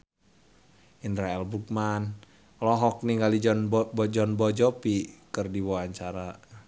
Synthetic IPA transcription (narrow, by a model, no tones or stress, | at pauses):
ʔindɾaɛlbukman | lɔɦɔk̚niŋɡalid͡ʒɔnbɔd͡ʒɔnbɔd͡ʒɔpikɨrdiwɔaɲt͡ʃaɾa